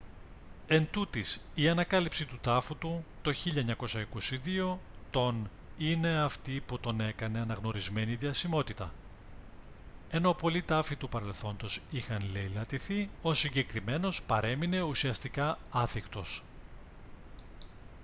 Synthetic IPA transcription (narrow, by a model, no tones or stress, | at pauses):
e̞nt̪ut̪isiɐnɐkɐlipsit̪ut̪ɐfut̪ut̪o̞çiʎɐɲɐko̞sɐiko̞siðio̞t̪o̞n | ine̞ɐft̪iput̪o̞ne̞kɐne̞ɐnɐɣno̞ɾizme̞niðiɐsimo̞t̪it̪ɐ̰ | e̞no̞po̞lit̪ɐfit̪upɐɾe̞lθo̞nd̪o̞sixɐnlejlɐt̪iθio̞siɲɟe̞kɾime̞no̞spɐɾe̞mine̞usiɐst̪ikɐɐθikt̪o̞s